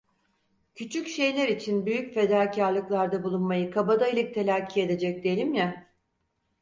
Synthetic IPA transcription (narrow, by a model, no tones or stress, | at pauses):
cʰyt͡ʃʰycʃe̞jlʲeɾit͡ʃʰinbyjycfe̞d̪aːcʰaɾlˠɯklˠaɾd̪abulˠunmajɯkʰabad̪ailʲic̚t̪ʰe̞lʲaːcʰie̞d̪e̞d͡ʒɛc̚d̪ejelʲimja